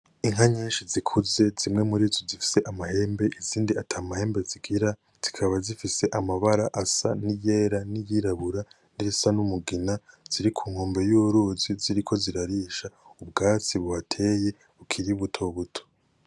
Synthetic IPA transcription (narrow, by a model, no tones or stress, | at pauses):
iŋ̥aɲiːnʃizikʰuze̞zimŋe̞muɾiːzozifi̥se̞ʔamahe̞ːmbe̞ʔiziːndiatʰaːmahe̞ːmbe̞ziɡiɾa | z̥ikʰaβazifise̞ʔamaβaɾaʔasa̰nije̞ːɾanijiɾaβuɾa | niɾisanumuɡinaz̥iɾikʰuːŋ̥oːmbe̞juɾuziziɾikʰo̞ziɾaɾiʃaubɡaːt͡siβuhatʰe̞ːje̞ | ukʰiɾiβutʰo̞βutʰo̥